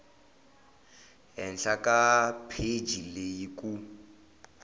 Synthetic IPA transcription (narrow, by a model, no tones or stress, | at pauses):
ɦɛnɬakapʰed͡ʒilejiku